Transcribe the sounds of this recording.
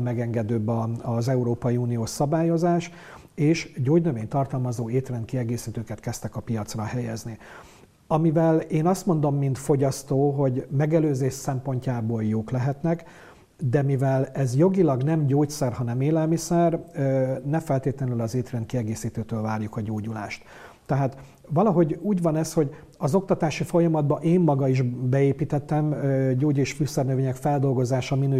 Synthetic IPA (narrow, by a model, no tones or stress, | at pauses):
mɛɡɛŋɡɛd̪øːbːɒɒzɛuɾoːpɒjiuːnijoːʃsɒbaːjo̞zaːʃ | eːʃɟoːɟnøveːɲt̪ɒrt̪ɒlmɒzoːeːt̪rɛnt̪kiɛɡeːsiːt̪øːkɛt̪kɛst̪ɛkɒpijɒt̪srɒhɛjɛzni | ɒmivɛleːnɒst̪mo̞n̪d̪o̞mːint̪fo̞ɟɒst̪oːɦo̞ɟmɛɡɛløːzeːʃsɛmpo̞ɲcaːboːljoːklɛɦɛt̪nɛk | d̪ɛmivɛlɛzjo̞ɡilɒɡn̪ɛmɟoːcsɛrɦɒnɛmeːlɛlmisɛrønɛfɛlt̪eːt̪lɛnylɒzeːt̪rɛnt̪kiɛɡeːsiːt̪øːt̪øːlvaːrjukɒɟoːɟula̰ːʃt̪ː | ɛɦaːt̪ | vɒlɒɦo̞ɟuːɟvɒnɛsho̞ɟ | ɒzo̞k̚t̪ɒt̪aːʃifo̞jɒmɒd̪̚bɒʔeːmːɒɡɒiʒbɛeːpiːt̪ɛt̪ːɛmøɟoːɟeʃfysɛrnøveːɲɛkfɛld̪o̞lɡo̞zaːʃɒminø